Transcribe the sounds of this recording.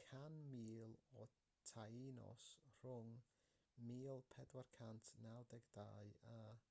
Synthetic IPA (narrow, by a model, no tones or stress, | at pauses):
kʰanmiːlˠɔ | tʰajinɔ̰sr̥ʊŋ | miːlˠpʰɛdwarkʰantʰnalˠdɛɡdaːɨa